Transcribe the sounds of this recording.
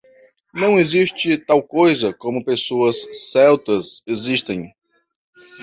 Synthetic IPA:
nɐ̃w̃eziʃt͡ʃɪt̪awkojzɐkõmʊpesoɐsːɛwt̪ɐseziʃt̪ẽj̃

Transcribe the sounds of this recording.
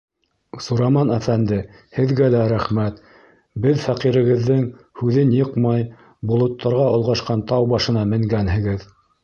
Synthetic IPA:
suɾɑmɑnæfænd̪ɘ | hɘ̆ðɡælæɾæχmæt̪ | bɘðfæqiɾɘ̆ɣɘ̆ðːɘŋ | hʉðɘnjɤqmɑj | bŏlˠŏt̪ːɑɾʁɑŏlˠʁɑʃqɑnt̪ɑwbɑʃɤ̆nɑmɘ̆ŋɡænhɘ̆ɡɘð

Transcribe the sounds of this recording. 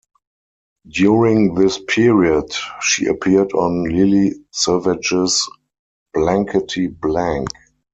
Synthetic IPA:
djuɹɪ̃ŋðɪspʰiɹiədʃḭːʔə̰pʰiədɔ̃nlɪlisɜvɪd͡ʒɪs | b̥læ̃ŋkʰətʰiblæ̃ŋk

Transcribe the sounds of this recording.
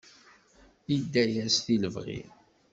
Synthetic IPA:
id̪ːæjæsθiləvʁḭ

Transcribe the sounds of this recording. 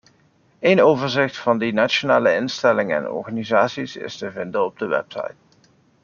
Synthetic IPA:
ejnowvəɹzɪχtfɑndinat͡ʃonaːləɪnstɛlɪŋəɛ̰nɔ̰ɹχaːnizaːtsisɪ̰stəvɪndəɔb̚dəʋɛ̰psɑ̰jt̚

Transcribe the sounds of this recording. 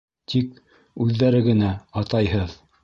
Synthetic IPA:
t̪ʰik | ʉðːæɾɘɡɘ̆næɑt̪ɑjhɤð

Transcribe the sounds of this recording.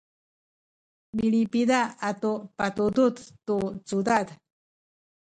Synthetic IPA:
milipid̪aat̪upat̪ud̪ut̪t̪ut͡sud̪ad̪

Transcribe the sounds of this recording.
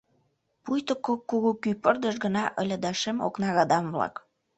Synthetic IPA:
pujt̪əkːokːuɣukypərd̪əʃɣə̆nɑʔəlʲəd̪ɑʃemo̰knɑɣɑd̪ɑmvlɑ̰k

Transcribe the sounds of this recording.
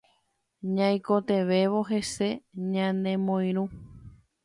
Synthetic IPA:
ɲãj̃kot̪e̞ʋe̞ʋo̞ɦe̞se̞ɲãnd̪ẽ̞mõj̃ɾ̃ũ

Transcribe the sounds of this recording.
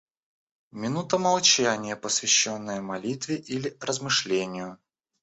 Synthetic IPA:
mʲɪnut̪əmɐlˠt͡ɕænʲɪjəpəsvʲɪɕːonːəjəmɐlʲit̪vʲɪʔilʲɪrəzmɨʂlʲenʲɪjʊ

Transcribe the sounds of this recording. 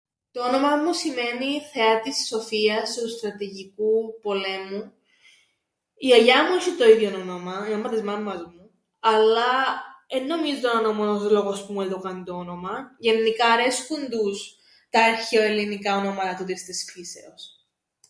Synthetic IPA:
t̪o̞ono̞mɐmusime̞niθe̞ɐt̪isːo̞fiɐst̪ust̪ɾɐt̪iʝikupo̞le̞mu | iɐʝɐmuiçit̪o̞iðjononomɐnomːɐt̪izmɐmmɐzmu | ɐlːɐenːo̞mizononomoozlo̞ɣo̞spumueld̪okɐnit̪oono̞mɐʝe̞nːikɐːɾe̞skund̪us | t̪ɐeɾçeoelinikɐonomɐt̪ɐt̪ut̪ist̪isfise̞̰os

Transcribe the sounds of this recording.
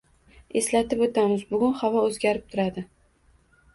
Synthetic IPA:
e̞slat̪ɪpot̪ʰamɪzbʊɡʲʊnχavɒɵzɡʲaɾɪp̚t̪ʰʊɾad̪ɪ

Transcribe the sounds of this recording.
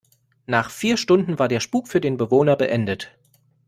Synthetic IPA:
naːχfiːɐʃtʊndn̩vaːɐdeːɐʃpuːkfyːɐdeːnbəvoːnɐbəʔɛndət

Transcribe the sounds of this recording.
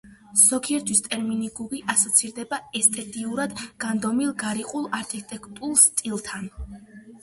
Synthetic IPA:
sɔkʰiɛɾt̪ʰwist̪ʼɛɾminiɡuɡiʔasɔt̪sʰiɾd̪ɛbaɛst̪ʼɛt̪ʼiuɾad̪ɡ̥and̪ɔmilˠɡaɾiqʼulˠaɾkʰʼit̪ʼɛkʰʼt̪ʼulˠst̪ʼilˠt̪ʰan

